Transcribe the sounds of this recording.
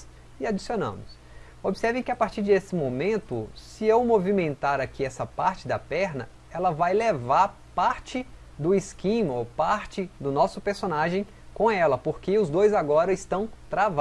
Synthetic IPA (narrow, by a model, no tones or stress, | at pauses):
ɪad͡ʒisionɐ̰̃mʊs | obɪsɛɾvẽj̃kɪapaɾt͡ʃiɾd̪esɪmomẽnt̪ʊ̰sɪewmovimẽnt̪aɾakiɛsɐpaɾt͡ʃɪd̪ɐpɛɾnɐ̰ | ɛlɐvajlevaɾ | paɾt͡ʃɪ | d̪ʊɪskĩmɐopaɾt͡ʃɪd̪ʊnɔsʊpeɾsonaʒẽj̃ | kõɛlɐpoɾkɪʊzd̪ojzaɡɔɾɐɪst̪ɐ̃w̃t̪ɾava